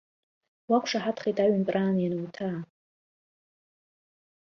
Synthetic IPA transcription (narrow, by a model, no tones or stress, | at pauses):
wakʷʰʂaħatʰχejtʼaɥanpʼraːnjanɨwtʰaː